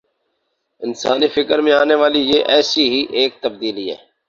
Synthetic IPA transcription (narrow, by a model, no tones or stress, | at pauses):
ɪnsa̰ːniːfɪkəɾmẽaːneːʋaːlijeːʔɛːsiːɦiːʔeːk̚t̪əb̚d̪iːliɦɛ̰ː